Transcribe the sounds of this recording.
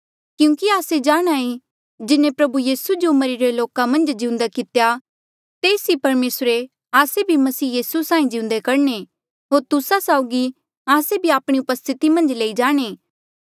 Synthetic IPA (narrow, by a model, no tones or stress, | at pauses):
kjũːkiaːsed͡ʒaːɽ̃aːi | d͡ʒɪnẽpɾɐbujiːsud͡ʒomɐɾiɾeloːkamɐ̃nd͡ʒd͡ʒɪ̃ʊ̃nd̪akɪt̪ja | t̪eːsɦipɐɾmeːsɾe | aːsebʱimɐsiːjiːsusãːĩd͡ʒɪ̃ʊ̃nd̪ekɐɾne | ɦoːɾt̪ʊsasaːʊɡi | aːsebʱiaːpɽ̃iʊpəst̪ʰɪt̪imɐ̃nd͡ʒleːid͡ʒaːɽ̃e